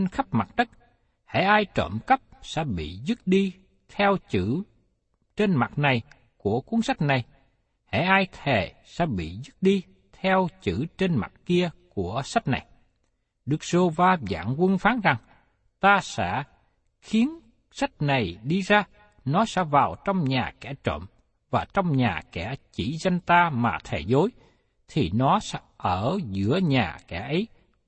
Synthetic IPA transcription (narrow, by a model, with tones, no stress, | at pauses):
nxə˦˥p̚ma˨˩t̚ɗə˦˥k̚ | hḛ˧˥ʔaː˧jt͡ɕə̰˧˨mkə˦˥p̚sɛ̰˧˥ɓḭ˧˨zɨ˦˥t̚ɗi˧ | t̪ʰɛ˧wt͡ɕɨ˧˥ | t͡ɕe˧nma˨˩t̚na˨˩j | ku˧˩əku˨˦ənsa˦˥k̚na˨˩j | hḛ˧˩ʔaː˧jt̪ʰe˧˨˩ | sɛ̰˧˥ɓḭ˧˨zɨ˦˥t̚ɗi˧ | t̪ʰɛ˧wt͡ɕɨ̰˧˩t͡ɕe˧nma̰˨˩t̚ki˧əku˧˩əsa˦˥t̚na̰˨˩j | ɗɨ˨˦˥k̚zo˧vaː˧za̰ː˧˥ŋkwə˧nfaː˨˦nza˨˩ŋ | t̪aː˧sɛ̰˧˥ | xi˨˦ən | sa˦˥t̚na˨˩jɗi˧zaː˧ | nɔ˨˦sɛ̰˧˥vaː˨˩wt͡ɕɔ˧wŋ͡mɲaː˨˩kɛ˧˩t͡ɕə̰˧˨m | vaː˨˩t͡ɕɔ˧wŋ͡mɲaː˨˩kɛ̰˧˩t͡ɕḭ˧˩za˧jŋ̟t̪aː˧maː˨˩t̪ʰe˨˩zo˨˦j | t̪ʰi˨˩nɔ˨˦sɛ̰˧˥ʔəː˧˩zɨ̰˧˥əɲaː˨˩kɛ̰˧˩ʔə˨˦j